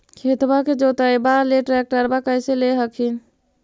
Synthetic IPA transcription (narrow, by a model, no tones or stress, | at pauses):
kʰet̪baked͡ʒot̪əjbaleʈɾɛk̚ʈəɾbakəɪseleɦəkʰin